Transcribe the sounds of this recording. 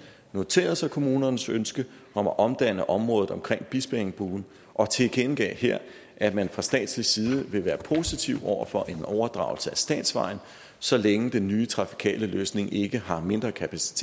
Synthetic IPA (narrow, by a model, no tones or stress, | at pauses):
no̝t͡sʰe̝̰ːɐð̩ˠsɑ̈ɪkʰo̝muːnɐnəsønsɡ̥ə | ɒ̽mæʔɒ̽md̥ænəʔɒ̽mʁɔ̽ːð̩ˠɒ̽mkʰʁeŋ̰b̥isb̥eeŋb̥uːn̩ | ʔɒ̽t͡sʰe̝ɡ̥enɡ̥ɛ̰ːheɐ̰ | ʔæmænfʁɑ̈sd̥ɛ̰ːd̥slisiːð̞ˠəʋe̝ʋæːɐpʰo̝ːsit͡sʰiʊɒʊ̰ɐfɒ̽ʔe̝nɒʊɐd̥ʁɑ̈ʊl̩səæsd̥ɛ̰ːd̥sʋɑ̈ɪ̰n̩ | sɒ̽leŋəd̥enːyːt͡sʰʁɑ̈fi̥kʰɛ̰ːləløːsne̝ŋe̝ɡ̥əɦɑ̈me̝nd̥ʁɐkʰæpʰæsi̥t͡sʰe̝